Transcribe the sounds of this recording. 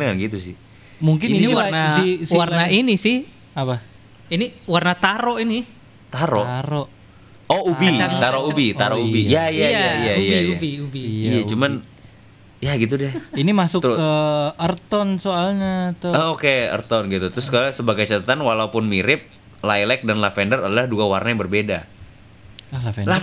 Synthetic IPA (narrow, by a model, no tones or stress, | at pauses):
əŋanɡit̪usɪh | muŋkɪninniwanasɪswarnainisɪh | apa | iniwarnat̪aɾoini | t̪aɾoaɾoʔ | oubiaŋt̪aɾoubit̪aɾoubijaijajaijaijajubiubiijat͡ʃuman | jaɡit̪̬udɛhinimasʊkəərt̪ɔnsoalɲat̪uaokeə̰rt̪ɔnɡit̪ut̪ɾʊskasəbaɡajt͡ʃat̪at̪anwalaupʊnmiɾɪp̚ | lajlɛk̚danlafɛndəɾadalahduɡawarnajabərbeda | alafla